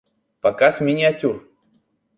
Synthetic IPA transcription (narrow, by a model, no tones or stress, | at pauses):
pɐkasmʲɪnʲɪɐtʲur